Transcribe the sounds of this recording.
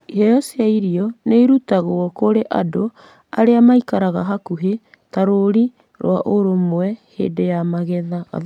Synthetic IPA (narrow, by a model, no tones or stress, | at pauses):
iɦɛjɔsiaiɾiɔneiɾutaɣoɔkoɾeʔado | a̰ɾeamaikaɾaɣa̰ɦakuɦe | taɾoɾi | ɾw̰aʔoɾomoɛhḛdejamaɣɛða̰